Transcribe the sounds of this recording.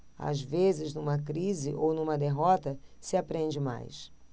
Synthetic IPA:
a̰zvezɪznũmɐkɾizɪ̰ʔownũmɐd̪eɦɔt̪ɐsɪapɾẽnd͡ʒɪma̰js

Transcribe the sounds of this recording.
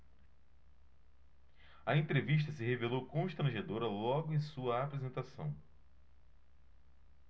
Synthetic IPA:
ɐẽnt̪ɾeviʃ̬t̪ɐsɪɦevelowkõʃt̪ɾɐ̃ʒed̪oɾɐlɔɡʊẽj̃suɐapɾezẽnt̪asɐ̰̃w̃

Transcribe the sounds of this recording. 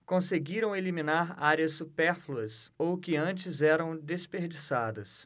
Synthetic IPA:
kõseɡiɾɐ̃w̃elimĩnaɾaɾjɐsːupɛɾfluɐsowkɪɐ̃t͡ʃɪzɛɾɐ̃w̃d̪espeɾd͡ʒisad̪ɐs

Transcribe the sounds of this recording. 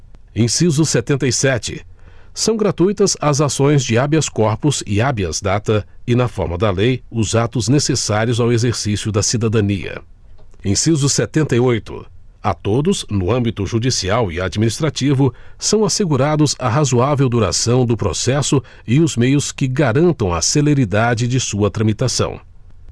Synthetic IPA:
ẽj̃sizʊset̪ẽnt̪ɐjsɛt͡ʃɪ̰sɐ̃w̃ɡɾat̪ujt̪ɐzɐzasõj̃zd͡ʒɪabiɐskɔɾpʊz̥ɪ̰abiɐ̰zd̪at̪ɐɪnɐfɔ̰ɾmɐd̪ɐlejʊzat̪ʊznesesaɾiʊzawezeɾsisjʊd̪ɐsid̪ad̪ɐ̃nḭɐ̰ | ẽj̃sizʊset̪ẽnt̪ɐjojt̪ʊ̰ | at̪od̪ʊznʊɐ̃mbit̪ʊʒud͡ʒisiawɪad͡ʒiminist̪ɾat͡ʃivʊsɐ̃w̃aseɡuɾad̪ʊzɐɦazuavewd̪uɾa̰sɐ̃w̃d̪ʊpɾo̰sɛsʊ | ɪʊzmejʊskɪɡaɾɐ̃nt̪ɐ̃w̃ɐ̰seleɾid̪ad͡ʒɪd͡ʒɪsuɐt̪ɾɐ̃mit̪asɐ̰̃w̃

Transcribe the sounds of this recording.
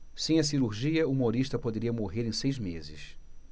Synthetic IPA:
sẽj̃ɐsiɾuɾʒiɐuumoɾiʃt̪ɐpod̪eɾiɐmoɦeɾẽj̃sejzmezɪ̰s

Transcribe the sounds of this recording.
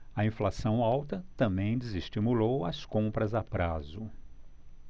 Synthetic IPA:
ɐĩflasɐ̃w̃awt̪ɐt̪ɐ̃mbẽj̃d͡ʒ̪ɪziʃt͡ʃimulowɐskõmpɾɐzapɾazʊ

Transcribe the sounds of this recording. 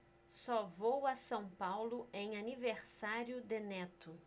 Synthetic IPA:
sɔvowasɐ̃w̃pawlʊẽj̃aniveɾsaɾjʊd̪enɛt̪ʊ

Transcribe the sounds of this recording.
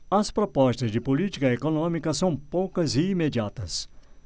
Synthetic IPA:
ɐspɾopɔst̪ɐzd͡ʒɪpolit͡ʃi̥kɐekonõmikɐsɐ̃w̃powkɐzɪimed͡ʒiat̪ɐs

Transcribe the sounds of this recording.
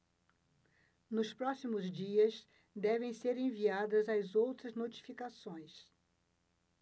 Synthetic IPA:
nʊspɾɔsimʊzd͡ʒiɐs | d̪ɛvẽj̃seɾẽviad̪ɐzɐzowt̪ɾɐznot͡ʃi̥fikasõj̃s

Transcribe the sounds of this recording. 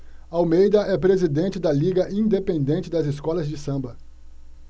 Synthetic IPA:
awmejd̪ɐʔɛpɾezid̪ẽnt͡ʃɪd̪ɐliɡɐʔĩnd̪epẽnd̪ẽnt͡ʃɪd̪ɐzɪskɔlɐzd͡ʒɪsɐ̃mbɐ

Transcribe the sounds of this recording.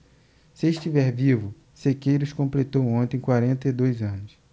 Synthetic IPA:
sɪːʃt͡ʃivɛɾvivʊ | sekejɾuskõmplet̪owõnt̪ẽj̃kwaɾẽnt̪ɐed̪ojzɐ̃nʊs

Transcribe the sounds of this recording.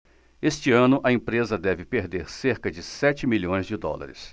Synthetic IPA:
est͡ʃɪɐ̃nʊʔɐẽpɾezɐd̪ɛvɪpeɾd̪eɾseɾkɐd͡ʒɪsɛt͡ʃɪmiʎõj̃zd͡ʒɪd̪ɔ̰lɐ̰ɾɪ̰s

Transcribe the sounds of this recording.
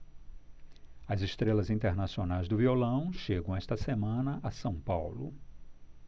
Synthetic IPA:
ɐzɪʃt̪ɾelɐzĩt̪eɾnasionajzd̪ʊviolɐ̃w̃ʃeɡɐ̃w̃ɛʃt̪ɐsemɐ̃nɐʔɐsɐ̃w̃pawlʊ

